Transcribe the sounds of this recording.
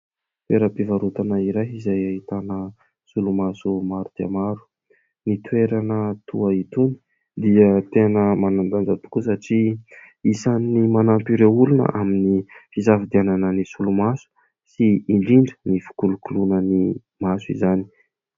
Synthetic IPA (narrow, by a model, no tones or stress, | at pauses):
t̪weɾəpivaɾut̪anaiɾaɦizajait̪anə | sulumasumaɾut̪ia̰maɾu̥ | nit̪weɾanət̪uait̪uni̥ | d̪iət̪enəmanand̪and͡zat̪u̥kusaʈ͡ʂi | isanːimanampiɾeulunə̰ʔaminifizavid̪iananənisulumasu̥ | siiɳɖ͡ʐiɳɖ͡ʐənifi̥kulukulunəni | masuḭzani̥